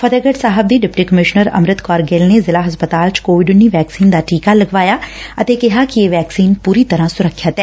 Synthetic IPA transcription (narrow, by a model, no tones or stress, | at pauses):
fʰəd̪əɡəɖsaːɦəb̚d̪iːɖɪp̚ʈiːkəmɪʃnəɾə̰mɾɪt̪kɔːɾɡeːlneːzɪlaːɦəspət̪aːlt͡ʃkoːʋɪɖʊnːiːʋɛːksiːnd̪aːʈiːkaːləɡʋaːjaːət̪eːkɪɦaːkɪeːʋɛːksiːnpuːɾiːt̪əɾãːsʊɾəkʰːət̪ɛː